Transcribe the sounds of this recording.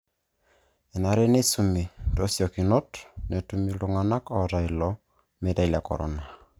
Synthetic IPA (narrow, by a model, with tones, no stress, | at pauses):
e˨na˨ɾɛ˦ne˦su˨mi˨do˦sjɔ˨ki˨nɔ˦tne˨tumi˦luŋa˨na˦kɔ˨ɾa˨ilɔ˨ | me˨ɾa˦lja˨kɔ̰˨ɾɔ̰˦na˨